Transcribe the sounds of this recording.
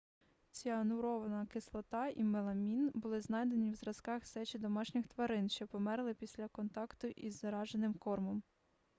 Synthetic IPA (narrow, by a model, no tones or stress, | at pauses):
t͡sʲanʊɾɔʋɐnɐkɪslˠɔt̪ɑimelˠɐmʲinbʊlˠɪznɑjd̪enʲiwzɾɐskɑxsɛt͡ʃʲid̪ɔmɑʃnʲɪxt̪ʋɐɾɪnʃt͡ʃɔpɔmɛɾlˠɪpʲisʲlʲɐkɔnt̪ɑkt̪ʊʔizːɐɾɑʒenɪmkɔrmɔm